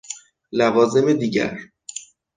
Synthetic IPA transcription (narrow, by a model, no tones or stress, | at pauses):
lævɒːze̞med̪iːɟæ̰ɾ